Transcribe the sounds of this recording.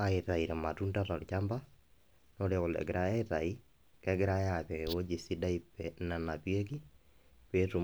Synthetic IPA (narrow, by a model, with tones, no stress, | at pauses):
ae˨ta˨i˨ɾɛ˨ma˨tunda˦tɔ˨lt͡ʃamba˦ | no˦ɾe˨ɔ˨lɛ̰˨ɡɪɾa˦a˦ta̰˨i˦ | kɛɡɪ˦ɾa˦japɛ˨ŋe˨wo˦d͡ʒi˨si˦da˦ipːɛ˨na˨napje˦k̬i˦ | pe˦tu˨